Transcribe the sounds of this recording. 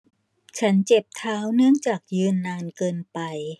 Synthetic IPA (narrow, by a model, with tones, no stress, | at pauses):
t͡ɕʰa˦˥nt͡ɕe˨˩p̚t̪ʰaː˦˥wnɯ˥˩əŋt͡ɕaː˨˩k̚jɯː˧nːaː˧nkɤː˧npa˧j